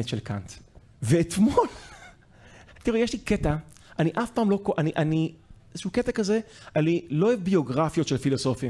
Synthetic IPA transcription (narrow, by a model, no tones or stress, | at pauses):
etʃelka̰nt̪ | veːt̪mol | t̪iʁujeʃliket̪a | ʔaniʔafpaːmlo̞koʔaniʔani | ʃuːket̪akaze̞aniloevbio̞ɡʁafjo̞t̪ʃelfilo̞so̞fim